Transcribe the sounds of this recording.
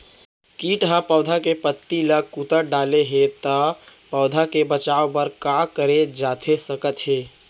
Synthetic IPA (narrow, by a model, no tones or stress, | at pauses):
kiːʈɦãpəʊd̪ʱakepət̪ːiləkut̪əɖaːleɦet̪əpəʊd̪ʱakebət͡ʃaːopəɾkakəɾed͡ʒaːt̪ʰesəkət̪ɦeː